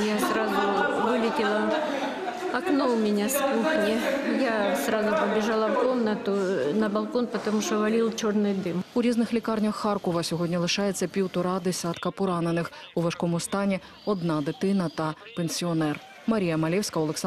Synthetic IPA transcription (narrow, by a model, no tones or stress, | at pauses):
jasɾazʊvɨlʲɪtʲɪlˠɐ | ɐknoʊmʲɪnʲaskuxnʲɪjasɾazʊpɐbʲɪʐalˠɐfkomnɐt̪ʊnɐbɐlˠkonpɐt̪ɐmuʂt̪ɔvɐlʲilˠt͡ɕornɨjd̪ɨmuɾʲiznɨxlʲikarnʲɐxːarkɔvɐsʲɔɣɔdʲnʲɐlˠɨʂajɛt̪sːɐpʲiwt̪ʊɾad̪ɛsʲat̪kɐpʊɾanɐnɨx | uvɐʂkɔmʊst̪anʲɛ | ɔd̪nad̪ɨt̪ɪnɐt̪ɐ | pɛnsʲiɔnɛr | mɐɾʲijɐmɐlʲɛwsʲkɐwlˠɛks